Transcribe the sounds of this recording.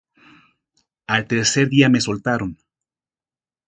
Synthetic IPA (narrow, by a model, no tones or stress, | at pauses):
alt̪eɾse̞ɾðiame̞so̞lt̪aɾo̞n